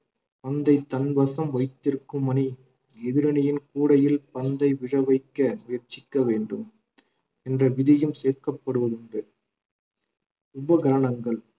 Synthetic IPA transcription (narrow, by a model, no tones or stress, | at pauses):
pɐnd̪ɐɪt̪ːɐnbɐsɐmʋɐɪt̪ːɪɾkːɯmɐni | ɛðɪɾɐnɐjɪnkuːɽɐjɪlpɐnd̪ɐɪʋɪɻɐʋɐɪkːɐmʊjɐɾt͡ʃːɪkːɐʋeːɳɖɯm | ɛndrɐʋɪðɪjɯmseːɾkɐpːɐɽɯʋɐðɯɳɖɯ | ʊbɐɡɐɾɐnɐŋɡɐɭ